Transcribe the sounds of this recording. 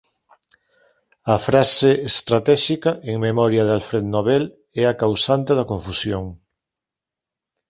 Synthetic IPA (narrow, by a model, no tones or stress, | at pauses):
ɐfɾaseest̪ɾat̪ɛʃikaʔeŋmemɔɾjaðalfɾeðnoβɛl | ɛakawsant̪eðɐkoɱfusjoŋ